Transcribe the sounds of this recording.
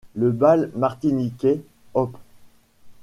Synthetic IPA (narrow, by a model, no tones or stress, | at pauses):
ləbalmaʁt̪inikʲe | ɔp